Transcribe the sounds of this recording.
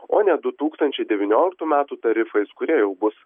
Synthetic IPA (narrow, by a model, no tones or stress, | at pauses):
oːnʲɛd̪ʊt̪uːkst̪ɐnʲt͡ʃʲɛɪd̪ʲɛʋʲɪnʲoːlʲɪk̚t̪uːmʲæːt̪uːt̪ɐɾʲɪfɐɪskʊɾʲiɛjɛʊbʊs